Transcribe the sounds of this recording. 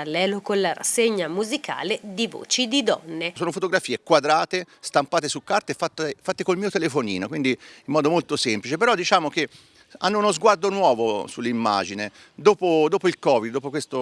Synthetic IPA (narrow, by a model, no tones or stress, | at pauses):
alːɛːlokonlaɾa̰sːeɲːamuzikʰa̰ːled̪ivo̰ːt͡ʃid̪id̪ɔ̰nːesoːnofot̪oɡɾafiːekwad̪ɾaːt̪est̪ampaːt̪esukːart̪efat̪ːfat̪ːekolmiːot̪elefonḭːnokwind̪iimːɔːd̪omolt̪osɛmplit͡ʃepeɾɔd̪ːit͡ʃaːmok̟e | a̰nːounozɡward̪onwɔːvosulːimːa̰d͡ʒine | d̪oːpod̪oːpoilkɔːvid̪d̪ːoːpokwest̪o